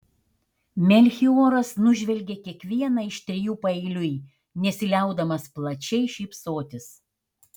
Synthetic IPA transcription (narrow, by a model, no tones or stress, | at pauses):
mʲɛlʲxʲioːɾɐsnʊʒʲʋʲɛlʲɡʲeːkʲiɛkʋʲiɛnɑɪʃt̪ʲɾʲɪjuːpɐɛɪlʲʊj | nʲɛsʲɪlʲɛˑʊd̪ɐmɐsplˠɐt͡ʃʲɛɪʃʲɛɪpsoːt̪ʲɪs